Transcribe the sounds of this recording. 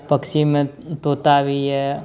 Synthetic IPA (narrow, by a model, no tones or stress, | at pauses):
pəkʃimẽ | t̪oːt̪aːʋiɦɛ